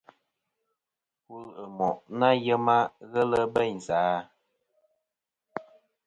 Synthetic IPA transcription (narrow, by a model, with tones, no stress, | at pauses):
ku˦˨lə˨mɔ˨ʔna˦jə˦ma˦ɣə˦lə˦bə˦˨ɲzaː˨˦